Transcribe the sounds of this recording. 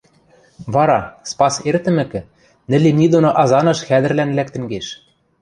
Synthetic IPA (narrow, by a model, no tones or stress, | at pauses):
βɑɾɑspɑsert̪ɘ̆mɘ̆kɘ̆ | nɘ̆lenid̪onoʔɑzɑnɤ̆ʃxæd̪ɘ̆rlænlæk̚t̪ɘ̆ŋɡeʃ